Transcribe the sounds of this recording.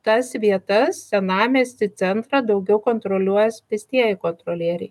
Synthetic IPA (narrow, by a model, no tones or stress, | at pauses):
t̪ɐsʋʲiɛt̪ɐssʲɛnɑːmʲeːsʲt̪ʲɪt̪sʲɛnt̪ɾɑd̪ɐʊɡʲɛʊkoːnt̪ɾoːlʲuɔjɛspʲɪsʲt̪ʲiɛjɪkoːnt̪ɾoːlʲiɛɾʲɛɪ